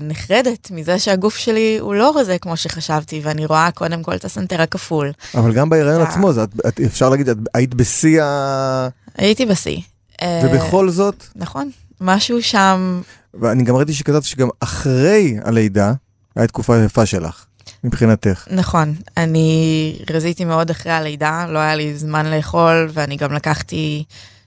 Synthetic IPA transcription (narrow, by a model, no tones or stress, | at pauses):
niχʁede̞tmizeʃeaɡufʃe̞liṵlo̞ʁozekmo̞ʃeχaʃavtiveaniʁo̞ako̞de̞mko̞ltasanteʁakafulavalɡambaiʁajo̞nat͡smo̞zatatefʃaʁlaɡid̪ʃat̚ajit̬ibesia | a̰jitibasḭ | evebeχo̞lzo̞tnaχo̞n | maʃuʃam | veaniɡamʁit̪̬iʃ̬ekataviʃeɡamaχʁe̞ja̰lejda | ajat̪̚kufajafaʃela̰χ | mipχinateχnaχo̞naniʁazitimeo̞daχʁejalejdalo̞ajalizmanleːχo̞lveaniɡamlakaχti